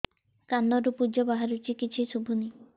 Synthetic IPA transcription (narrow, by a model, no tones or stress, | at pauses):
kanɔɾupud͡ʒɔbaɦaɾut͡ʃikit͡ʃʰisubʱuni